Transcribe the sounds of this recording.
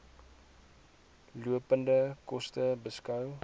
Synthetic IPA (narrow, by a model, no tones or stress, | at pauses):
luəpəndəkɔstəbəskɐw